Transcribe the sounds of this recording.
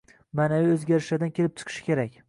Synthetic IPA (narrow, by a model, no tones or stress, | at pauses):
manaviɵzɡʲaɾɪʃlad̪ankʲʰe̞lɪp̚t͡ʃʰɨ̥qʰɨ̥ʃkʲʰe̞ɾakʲ